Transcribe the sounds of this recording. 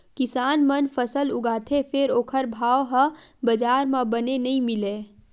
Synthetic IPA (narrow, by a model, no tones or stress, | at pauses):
kɪsaːnmənpʰəsəlʊɡaːt̪ʰepʰeɾoːkʰəɾbʱaːoɦə̃bəd͡ʒaːɾmãbənenəĩmɪle